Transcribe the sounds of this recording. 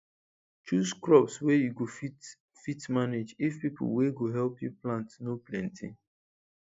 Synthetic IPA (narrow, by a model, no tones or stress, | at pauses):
t͡ʃuzkɹɔpswɛjuɡofi | fitmaned͡ʒifpipʊ̰lweɡoɦɛlpjuplãntnoplɛ̃ntʰɪ̰̃ŋ